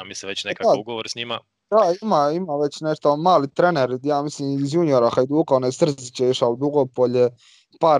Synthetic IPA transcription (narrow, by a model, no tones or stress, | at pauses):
amiseʋet͡ɕnekaauɡoʋoɾsɲima̰ | d̪aimaimaʋe̞t͡ɕneʃt̪omaːlit̪ɾeneɾjaːmisliːmizjunioɾaxajd̪uːkaonesr̩zit͡ɕeiʃaod̪uɡopoʎe | paɾ